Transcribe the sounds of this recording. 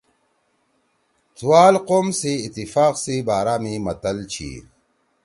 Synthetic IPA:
t͡s̪ʰuwaːlqoːmsiːt̪ːifaːqsibaːɾaːmimɐt̪ɐlt͡ɕʰḭː

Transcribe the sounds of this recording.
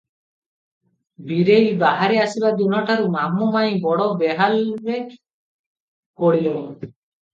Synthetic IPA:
biɾejbaɦaɾeasibad̪unɔʈaɾumamumaj̃bɔɽɔbeɦalɾe | koɽilo

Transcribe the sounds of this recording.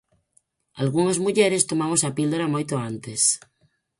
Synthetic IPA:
alɣ̞uŋazmuʎeɾest̪omamosapild̪oɾamojt̪oant̪es

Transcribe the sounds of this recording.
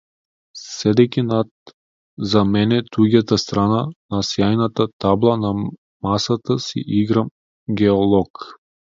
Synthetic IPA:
sɛd̪ɛkʲinat̪ | zamɛnɛt̪uɡat̪ast̪ɾananasjajnat̪at̪ablˠana | masat̪asḭʔiɡɾa | ɡʲɛɔlˠɔk

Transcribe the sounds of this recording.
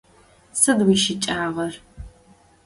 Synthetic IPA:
sɨdwiːʃɪt͡ʃʼaːʁɐr

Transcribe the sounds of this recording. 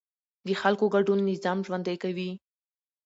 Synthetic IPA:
d̪əxalkoɡaɖunːɪzɑmʒwand̪ajkawi

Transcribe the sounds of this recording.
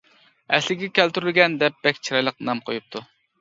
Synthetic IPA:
ɛslɪɡʲɛkʲʰælt̪yɾylɡʲɛnd̪ɛp̚b̥ɛkʲt͡ʃʰiɾɑjlˠəq̚nɑmqʰojup̚t̪ʰu

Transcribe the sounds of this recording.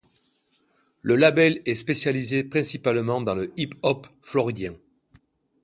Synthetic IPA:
ləlabɛlɛspesjalizepχɛ̃sipalmɑ̃d̪ɑ̃ləʔipɔpflɔʁid̪jɛ̃

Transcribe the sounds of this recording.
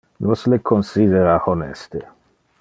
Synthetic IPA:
noslekʰːɔnsid̪eɾahɔnɛ̰st̪e

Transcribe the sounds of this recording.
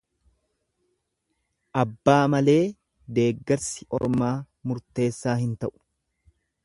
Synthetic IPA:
ʔɐbːaːmɐle̞ː | d̪e̞ːɡːɐɾsɪʔɔ̰ɾmaː | mʊɾt̪e̞ːsːaːɦɪnt̪ɐʔʊ̥

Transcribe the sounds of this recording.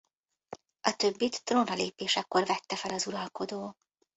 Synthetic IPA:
ɒt̪ø̞bːit̪ːronrɒleːpeːʃɛkːorvɛt̪ːɛfɛlɒzuɾɒlko̞d̪oː

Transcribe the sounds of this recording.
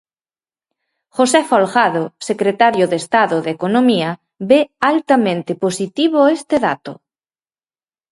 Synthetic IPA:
xosɛfolɣaðosekɾet̪aɾjoðest̪aðʊðekonomiɐ | bealt̪amẽnt̪ɪposit̪iβoest̪eðat̪ʊ̰

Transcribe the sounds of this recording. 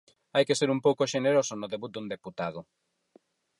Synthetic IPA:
ajkeseɾumpowkʊʃeneɾosʊnoðeβut̪̚d̪und̪eput̪aðʊ

